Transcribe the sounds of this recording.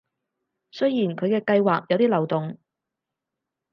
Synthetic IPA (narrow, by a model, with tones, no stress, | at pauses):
sɵ˥jjiː˨˩nkʰɵ˨˧ɥkɛː˧kɐ˧jwaː˨k̚jɐ˨˧wt̪iː˥lɐ˨˩wt̪ʊ˨ŋ